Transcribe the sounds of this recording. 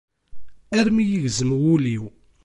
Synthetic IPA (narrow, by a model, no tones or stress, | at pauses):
æɾmijəʝzəmwuliw